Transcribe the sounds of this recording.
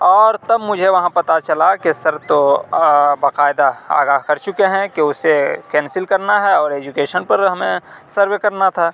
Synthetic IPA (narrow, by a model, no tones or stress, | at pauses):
ɔːɾt̪ɐbmʊd͡ʒʱeʋɐɦãpɐt̪at͡ʃɐlakesɐɾt̪o | baqaːɪd̪aa̰ːɡaːɦkɐɾt͡ʃʊkeɦɛ̃keʊsekɛ̃ːnsɪlkɐɾnaɦɛɔːɾeːd͡ʒʊkeːʃənpɐɾɦɐmẽsɐɾʋekɐɾnat̪ʰaː